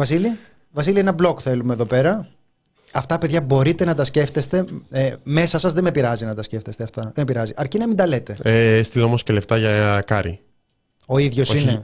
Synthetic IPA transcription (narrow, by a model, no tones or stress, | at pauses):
vɐsili | vɐsilienɐblo̞kθe̞lumeðo̞pe̞ɾɐ | ɐft̪ɐpe̞ðʝɐbo̞ɾit̪e̞nɐt̪ɐsce̞ft̪e̞st̪e̞me̞sɐsɐzðemepiɾɐzinɐt̪ɐsce̞ft̪e̞st̪eɐft̪ɐðemepiɾɐziʔɐɾcinɐmind̪ɐle̞t̪e̞est̪ilɐomoscele̞ft̪ɐʝɐkɐɾḭ | o̞iðʝo̞sine